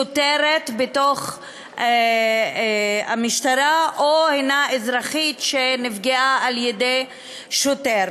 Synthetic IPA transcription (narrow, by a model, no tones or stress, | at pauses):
oteɾetbetoχ | amiʃtaɾaʔohejnaezʁaχitʃenifɡeaːljede | ʃoteɾ